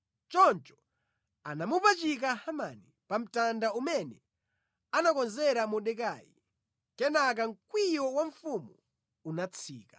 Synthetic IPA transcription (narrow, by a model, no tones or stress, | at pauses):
t͡ʃɔnt͡ʃɔ̥ | anamupat͡ʃik̬ahamani | pam̩tandaumɛnɛ | anakɔnzɛɾamɔɗɛk̬aːjḭ | kɛnak̬aŋ̩kwijɔwaɱfumu | unat͡sʰiːkḁ